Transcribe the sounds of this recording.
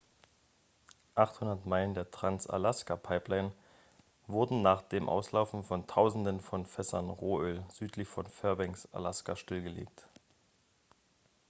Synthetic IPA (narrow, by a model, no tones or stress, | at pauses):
ʔaχthʊndɐtmaɪləndeːɐtʁ̥ansa̰laskapʰaɪplaɪn | vʊɐdn̩naːχd̥eːmʔa̰ʊslaʊfn̩fɔntʰaʊzn̩dənfɔnfɛsɐnʁoːʔøːlz̥yːtʰlɪçfɔnfɛɐbɛŋsʔa̰laska̰ʃtɪlɡəlḛːk̚t